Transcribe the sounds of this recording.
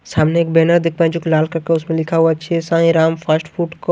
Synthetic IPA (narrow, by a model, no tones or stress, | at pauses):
saːmneeːk̚bɛːnəɾd̪ɪkʰʋãd͡ʒʊklaːlkɐɾkeʊsmẽlɪkʰaɦuat͡ʃʰiesãːɦĩɾaːmfʰəsʈfʰuːʈk